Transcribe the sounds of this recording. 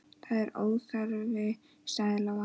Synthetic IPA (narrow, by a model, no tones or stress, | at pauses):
θaðɛɾoːwðfaɾvɪ | saːðɪlava